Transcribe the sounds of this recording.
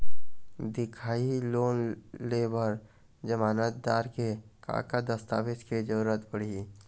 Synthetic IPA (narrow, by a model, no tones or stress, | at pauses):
d̪ɪkʰaːiloːnlebəɾ | d͡ʒəmaːnət̪̚d̪aːɾkeka̰ːkad̪əst̪a̰ːʋɪt͡ʃked͡ʒəɾuɾət̪bəɽ̤i